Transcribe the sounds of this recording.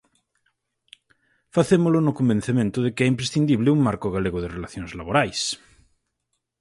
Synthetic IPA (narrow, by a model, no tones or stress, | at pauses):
faθemolonʊkombẽn̟θemẽnt̪ʊðekɪɛimpɾesθind̪iβlɪuŋmaɾkoɣaleɣoðerelaθjõnzlaβoɾajs